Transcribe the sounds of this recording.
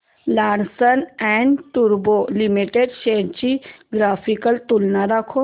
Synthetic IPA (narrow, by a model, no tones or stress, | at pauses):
laːɾsənɛɳɖʈuɾbolimiʈeɖʃeɾt͡ʃiɡɾaːfʰikəlt̪ulnaɾakʰo